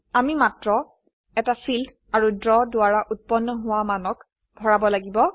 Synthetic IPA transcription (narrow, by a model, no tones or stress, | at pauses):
amimatɹɔ | ɛtafʰild | aɹudɹɔdʊaɹaʔut̚pɔnːɔɦʊwamanɔk | bʱɔɹabɔlaɡibɔ